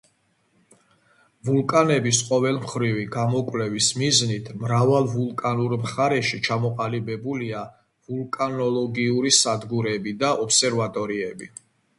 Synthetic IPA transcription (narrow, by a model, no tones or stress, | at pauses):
vulˠkʼanɛbisqʼɔvɛlˠmχɾiviɡamɔkʼwlɛvismiznit̪ʰmɾavalˠvulˠkʼanuɾmχaɾɛʃit͡ʃʰamɔqʼalibɛbulia | vulˠkʼanɔlˠɔɡiuɾisad̪ɡuɾɛbid̪aʔɔpsɛɾvat̪ʼɔɾiɛbi